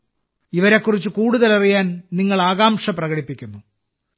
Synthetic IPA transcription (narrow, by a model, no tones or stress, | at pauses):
iʋɐɾe̞kːurit͡ɕːɨkuːɽuðɐlɐrijaːnniŋːɐɭaːɣaːmʂɐprɐɣɐɽipːikʲːunːu